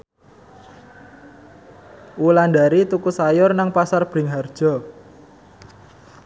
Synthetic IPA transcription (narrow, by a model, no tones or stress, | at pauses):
ulandaɾit̪ukusajʊrnaŋpasarb̥ɾɪŋɦard̥ʒ̥ɔ̤